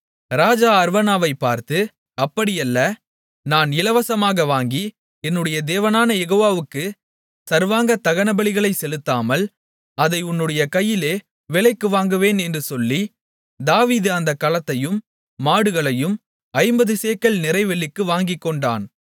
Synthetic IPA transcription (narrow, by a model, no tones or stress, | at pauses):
ɾaːd͡ʒaːɐɾʋɐnaːʋɐɪpːaːɾt̪ɯ | ɐpːɐɽɪjɐlːɐ | naːnɪlɐʋɐsɐmaːɣɐʋaːŋɡi | ɛnːɯɽɐjɐd̪eːʋɐnaːnɐjɛɣoːʋaːʋɯkːɯ | sɐɾʋaːŋɡɐt̪ːɐɣɐnɐbɐɭɪɣɐɭɐɪsɛlɯt̪ːaːmɐl | ɐðɐɪʊnːɯɽɐjɐkɐjːɪleː | ʋɪlɐɪkːɯʋaːŋɡɯʋeːnɛndrɯsɔlːi | d̪aːʋiːðɯɐnd̪ɐkːɐlɐt̪ːɐjɯmː | aːɽɯɣɐɭɐjɯm | ɐɪmbɐðɯseːkɐɭnɪɾɐɪʋɐɭːɪkːɯʋaːŋɡɪkːɔɳɖa̰ːn